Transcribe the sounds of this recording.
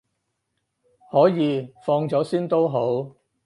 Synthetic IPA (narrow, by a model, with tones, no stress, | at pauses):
hɔː˨˥jiː˨˧fɔː˧ŋt͡sɔː˨˥siː˥nt̪o˥wɦo˨˥w